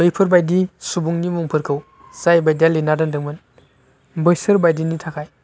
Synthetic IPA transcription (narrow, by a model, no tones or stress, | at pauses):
lojpʰɯɾbajdisubuŋnimuŋpʰɯɾkʰɯw | zajbajdalinadɯndɯŋmɯn | bɯjsɯɾbajdinitʰakʰaj